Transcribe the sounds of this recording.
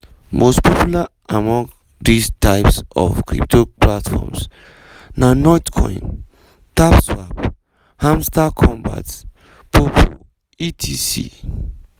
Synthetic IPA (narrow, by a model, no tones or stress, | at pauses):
mospʰɔpjula | amɔ̃ŋ | distʰaɪpsɔvkɹḭptʰoplatfɔ̰ms | nanɔtkʰɔ̰̃ɪ̃n | tapswap | hãmstakʰɔ̃mba̰t | pʰopʰo̰ | itʰisḭ